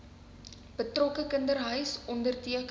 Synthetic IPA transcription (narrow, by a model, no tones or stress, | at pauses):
b̥ətrɔkəkəndərɦœɥsɔndərtiək